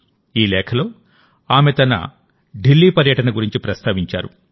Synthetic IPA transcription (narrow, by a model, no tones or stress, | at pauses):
iːlɛːkʰɐlo̞ː | aːmet̪ɐnɐ̰ | ɖilːiːpɐɾjɐʈɐnɐɡuɾiɲt͡ʃipɾɐst̪ʰaːʋiɲt͡ʃa̰ːɾu